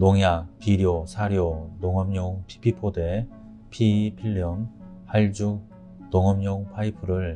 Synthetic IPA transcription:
noŋjak̚piɾiosʰaɾjonoŋʌmɲoŋpʰi̥pʰipʰode | pʰipʰiʎːʌm | haɭd͡ʑuk̚ | noŋʌmɲoŋpʰaipʰɯɾɯɭ

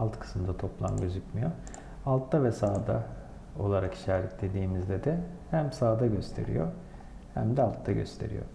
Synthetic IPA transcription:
alˠt̪kʰɯ̥smd̪at̪ʰo̞plˠa̰mɟøzykmɯjo | alˠt̪ːavɛsaːd̪a | o̞lˠaɾaki̥ʃaːɾɛt̪̚d̪e̞d̪iːmizd̪ɛd̪ɛhæmsaːd̪aɟø̞st̪ʰe̞̰ɾḭjo̰ | hæ̰md̪ɛalˠt̪ʰːaɟø̞̰st̪ʰe̞̰ɾḭjo̰

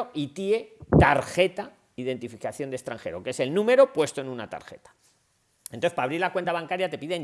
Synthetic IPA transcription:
oʔit̪ie̞t̪aɾxe̞t̪a | iðe̞nt̪ifikaθjo̞nd̪e̞st̪ɾaŋxe̞ɾo̞̰kee̞se̞lnũme̞ɾo̞pwe̞st̪o̞e̞nũna̰t̪a̰ɾxe̞̰t̪ḁ | enoθe̥paːβɾiɾlakwe̞nt̪aβaŋkaɾjat̪e̞piðen

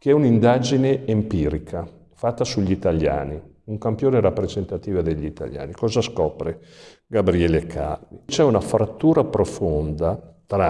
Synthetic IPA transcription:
keɛunind̪ad͡ʒineempiːɾikʰa | fat̪ːasuʎːit̪aʎːa̰ːni | uŋkampjoːneɾapːɾezent̪at̪iːvad̪eʎːit̪a̰ʎja̰ːnikɔːzaskɔːpɾe | ɡabɾiɛːlekʰa̰rmit͡ʃɛunafɾat̪ːuːɾapɾofond̪at̪ɾa

